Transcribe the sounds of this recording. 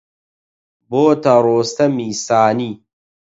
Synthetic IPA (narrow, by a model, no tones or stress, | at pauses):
boːt̪ɐɾoːst̪ɐmiːsaːniː